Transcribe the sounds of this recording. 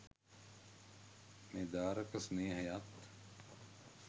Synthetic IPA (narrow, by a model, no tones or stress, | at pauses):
med̪aːɾɐkɐsneːɦɐjaːt̪